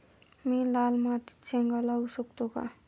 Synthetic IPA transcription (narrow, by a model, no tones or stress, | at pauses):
milaːlmat̪i̥t͡sʰeŋɡalausukt̪oka̰